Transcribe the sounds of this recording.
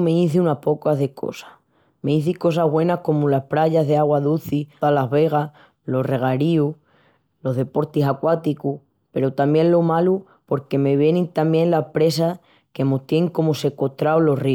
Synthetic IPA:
meiθiunapo̞kaðe̞kʰo̰sḁ | me̞iθiko̞saɦβwe̞nahko̞mulapɾaʝazðeaɣwaðuθialazβe̞ɣ̞a | lo̞re̞ɣ̞aɾiu | lo̞ɦðe̞po̞ɾt̪isakwat̪iku | pe̞ɾot̪amjẽ̞nlo̞malu | po̞ɾke̞me̞βje̞nĩnt̪amjẽ̞nlahpɾe̞s̬a | ke̞mot̪je̞ŋko̞mose̞ko̞t̪ɾaolo̞ri

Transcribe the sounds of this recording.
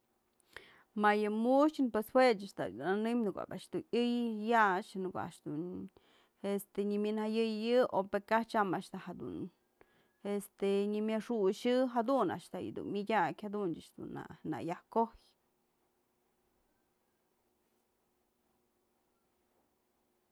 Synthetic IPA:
majɨmuʃt͡ʃɨnpweshwet͡ʃaʂt̪a̰d̪unanɨmnɨkʷa̰baʔʂd̪unʲɨjːat͡ʃnɨkoa̰ʔʂd̪un | est̪eɲɨmʲɨnhajɨjjɨopekaht͡ʃamaʔʂt̪ahad̪ṵn | est̪eɲɨmʲjaʂuʃɨɦad̪una̰ʔʂt̪ajɨ̰d̪ṵnmʲɨdʲakʲhad̪unt͡ʃaʂd̪̥ṵna̰na̰jahkoj

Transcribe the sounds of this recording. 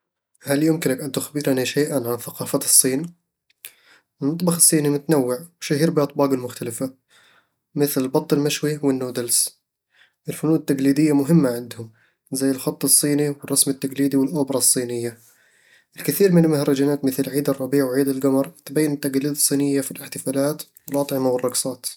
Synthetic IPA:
haljʊmkɪnakʔant̪ʊxbɪɾaniʃaːʔanʕanθaqɑːfat̪ɨsˤːiːn | ʔɪnːɑt̪ˤbɑxɑsˤːiːnimʊt̪nawːɪʕwʃahiːɾbiʔɑt̪ˤbɑːɡɪlmʊxt̪alɪfa | mɪθlɪlbɑt̪ˤːɪlmaʃwiwɪnːuːd̪als | ʔɪlfʊnuːdɪt̪ːaɡliːd̪ɪjːamʊɦɪmːaʕɪnd̪hʊm | zajːɪlxɑt̪ˤːɨsˤːiːniwɪrˤːɑsmɪt̪ːaɡliːd̪iwɪlʔʊbɾˤɑsˤːiːnɪjːa | ʔɪlkɪθiːɾmɪnɪlmʊhɾˤɑd͡ʒanaːt̪mɪθlʕiːd̪ɨrˤːɑbiːʕwʕiːd̪ɪlɡamɑɾˤt̪bajːɪnɪt̪ːaɡliːd̪ɑsˤːiːnɪjːafilɪħt̪ɪfaːlaːt̪ | wɪlʔɑt̪ˤʕɪmawɪrˤːɑɡsˤɑːt̪

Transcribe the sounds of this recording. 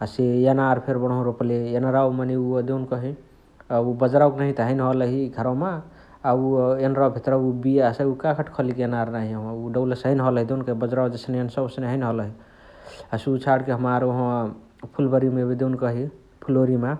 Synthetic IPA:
əsejanaɾpʰeɾbəñɦõɾopleenɾawmaniud̪ewnkəɦi | aubəd͡ʒɾauknaɦit̪əɦəjnɦɔləɦiɡʱəɾawmaː | uenɾawbʱit̪ɾaubijaseukakʰəʈʰkʰəlikjenaɾnaɦiəãuɖəbləsɦəjnɦələɦid̪eunkəɦibəd͡ʒɾawd͡ʒesnensəsnɦəjnɦɔləɦi | əsut͡ʃʰaɽkeɦəmaɾoɦə̃ | pʰulbəɾimebid̪ewnkəɦi | pʰuloɾima

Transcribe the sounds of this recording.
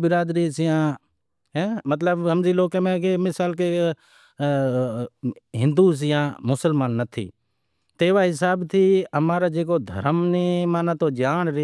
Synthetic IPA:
bɪɾaːd̪ɾiːsɪjãː | ɦɛmət̪ləbəmd͡ʒiːloːkemẽːkemɪsaːlke | ɦɪ̃nd̪uːs̬ɪjãːmʊsəlmaːnːət̪ʰḭː | t̪eːʋaːɦɪsaːbt̪ʰiːəmaːɾaːd͡ʒeːk̬oːd̪ʱə̰ɾəmneːmaːnãːt̪oːd͡ʒaːɳɾɪ

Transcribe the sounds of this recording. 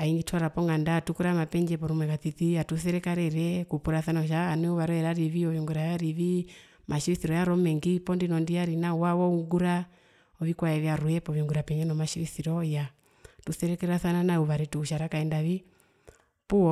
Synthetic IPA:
aiŋɡitʰuwaɾapɔŋɡandatukuɾamapɛɲd͡ʒɛpɔɾumwɛkatitiatuθɛɾɛkaɾɛɾɛkupuɾaθanaɔʃ̬aːnwɛuβaɾɔɛɾaɾiβiɔjiɔŋɡuɾajaɾiβi | mʔaʃiɾiθiɾɔjaɾɔmɛŋɡipɔndinɔndiaɾinawawɔuŋɡuɾa | ɔβikwaɛβjaɾujɛpɔβiŋɡuɾapɛɲɛnɔmaʃiɾiθiɾɔja | tuθɛɾɛkɛɾaθananauβaɾɛtuuʃaɾakaɛndaβi | puɔ

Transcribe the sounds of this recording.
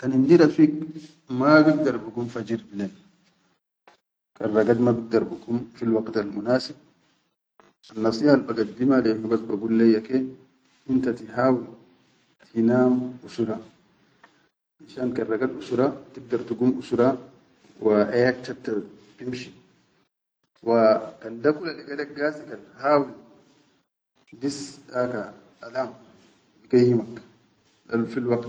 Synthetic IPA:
kanind̪iɾafiːk | maɡiɡ̚d̪aɾbuɡumfad͡ʒiɾbileːn | karːɑɡad̪mabiɡ̚d̪aɾbuɡumfilwaɡt̪almunaːsib̚ | ʔanːɑsˤiːħalbaɡad̪̚ːimalehuɡasbaɡulːejːake | ʔint̪at̪iɦaːwi | t̪ʰinaːmʔusuɾa | ʔinʃaːnkaɾaɡalʔusuɾat̪iɡ̚d̪aɾt̪uɡumʔusuɾa | waʔajaːkt͡ʃab̚t̪a | bimʃi | wakandakulaliɡalek̚ɡaːsikanhaːwil | disʔaka | ʔalam | biɡajːimak | afilwakt̪

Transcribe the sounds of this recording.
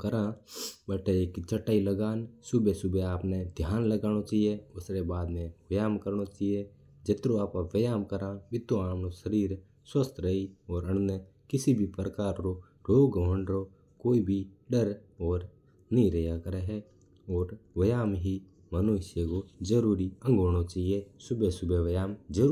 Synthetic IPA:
kəɾãbəʈeeːkt͡ʃʰəʈːaːiləɡaːnsʊbesʊbeaːpned̪ʱjaːnləɡaːnot͡ʃaːijeʊsɾebaːd̪mẽwɐjaːmkəɾnot͡ʃaije | d͡ʒɪt̪ɾõaːpãʋəjaːmkəɾãʋɪt̪ːoaːmnoʃəɾiːɾ | swəst̪ɾəiɔːɾəɽ̃ne | kɪsibʱipɾəkaːɾɾo | ɾoːɡoʋəɳɾo | koːibʱiɖəɾɔːɾ | nĩɾəjakəɾeɦɛ | ɔːɾʋɐjaːmɦi | mənʊʃjəkod͡ʒəɾuːɾiə̃ŋɡʱoːɽ̃ot͡ʃaːɦiesʊbesʊbeʋɐjaːmd͡ʒəɾ

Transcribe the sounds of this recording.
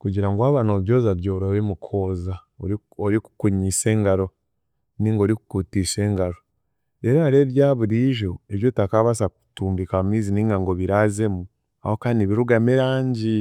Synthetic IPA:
kuɟiɾaŋɡwaβanoβjo̞ːzaβjoːɾoβemukʰoza | o | oɾiku̥kuɲise̞ːŋɡaɾo̞ | niːŋɡo̞ːɾiku̥kutise̞ːŋɡaɾo̞ | eɾaaɾe̞ɾjaːβuɾiʒo̞eβjo̞takaβas̬aku̥tuːmbikamumiːziniːŋɡaŋɡo̞βiɾaze̞mu | a̰ho̞kaniβiɾuɡamiɾaːɲɟi

